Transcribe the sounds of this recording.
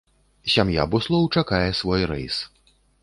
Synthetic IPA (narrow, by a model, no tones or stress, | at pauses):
sʲamja̰buslˠɔwt͡ʂakajɛsvɔjɾɛ̰js